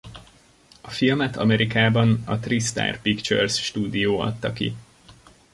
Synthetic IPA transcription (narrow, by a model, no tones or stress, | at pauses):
ɒfilmɛt̪ʰɒmɛɾʔikaːbɒnɒt̪rist̪a̰ːrpikt͡ʃø̰rsʃt̪uːd̪ijoːɒ̰t̪ːɒkḭ